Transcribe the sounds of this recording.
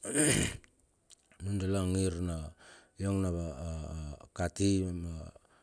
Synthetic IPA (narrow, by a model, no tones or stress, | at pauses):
nundelaŋiɾna | joŋnaβa | katima